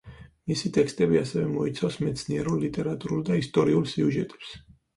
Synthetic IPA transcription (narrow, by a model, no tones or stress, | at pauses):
misit̪ʼɛkst̪ʼɛbiasɛvɛmɔit̪sʰavsmɛt̪sʰniɛɾulˠlit̪ʼɛɾat̪ʼuɾuld̪aist̪ʼɔɾiulˠsiuʒɛt̪ʼɛ̥ps